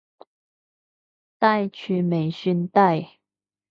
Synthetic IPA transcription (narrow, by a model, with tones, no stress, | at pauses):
t̪a˥˧ɪt͡ɕʰy˥˩me˨˩ɪɕy˥˧nt̪a˥˧ɪ